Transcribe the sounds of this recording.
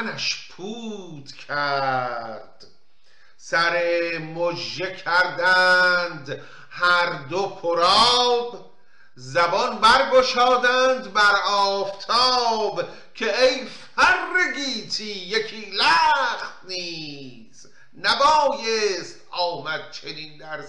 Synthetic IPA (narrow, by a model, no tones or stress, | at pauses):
næʃpʰuːt̪ʰkʰæ | ɾd̪̥ | sæɾemod͡ʒːekʰæɾd̪ænd̪ | hæɾd̪opʰoɾɒːb | zæbɒnbæɾɡoʃɒːd̪ænd̪bæɾɒːft̪ʰɒːb | kʰeejfærːeɡiːt̪ʰiːjekʰiːlæxt̪̚ni | s | næbɒːjest̪ɒːmæd̪̥̚t͡ʃʰe̞niːnd̪æɾ